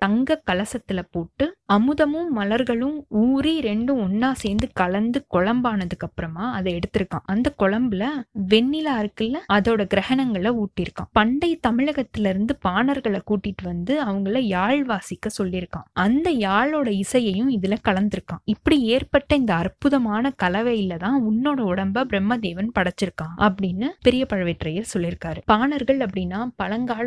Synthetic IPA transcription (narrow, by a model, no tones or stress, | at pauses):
t̪ɐŋɡɐkːɐlɐsɐt̪ːɪlɐpoːʈːɯɐmɯðɐmɯ̃ːɐlɐɾɣɐɭɯ̃uːɾiɾɛɳɖɯ̃ɔɳːaːsɛːnd̪ɯkɐɭɐnd̪ɯkɔɭɐmbaːnɐðɯkːɐpːɯɾɐmaːɐðɐɛɽɯt̪ːɯɾɯkːã̰ːʔɐnd̪ɐkɔɭɐmbɪlɐʋɛɳːɪlaːɪɾɯkːɪlːɐɐðoːɽɐɡɪɾɐɣɐnɐŋɡɐɭɐuːʈːɪɾɯkːã̰ːpɐɳɖɐɪt̪ɐmɪɻɐɣɐt̪ːɪlɪɾɯnd̪ɯpaːnɐɾɣɐɭɐkuːʈːɪʈːɯʋɐnd̪ɯɐʋɐŋɡɐɭɐjaːɭʋaːsɪkːɐsɔlːɪɾɯkːãːʔɐnd̪ɐjaːɭoːɽɐɪsɐjɐjɯ̃ɪðɪlɐkɐɭɐnd̪ɪɾɯkːãːɪpːɐɽieːɾpɐʈːɐɪnd̪ɐɐrpʊðɐmaːnɐkɐlɐʋɐjɪlːɐt̪ãːʊnːoːɽɐɔɽɐmbabɾɛmːɐd̪eːʋɐnpɐɽɐt͡ʃːɪɾɯkːãːʔɐpːɐɽɪnːɯpɛɾɪjɐpɐɻɐʋɪʈrɐjɐɾsɔlːɪɾɯkːaːɾɯpaːnɐɾɣɐɭɐpːɐɽɪnːaːpɐlɐŋɡaːɭ